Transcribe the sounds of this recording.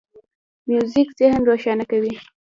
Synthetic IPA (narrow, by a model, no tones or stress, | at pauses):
mjuzikzehnɾoʃɑnakawi